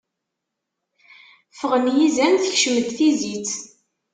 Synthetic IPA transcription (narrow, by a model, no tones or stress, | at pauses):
fəʁəmjizænθəçʃməðθizit͡s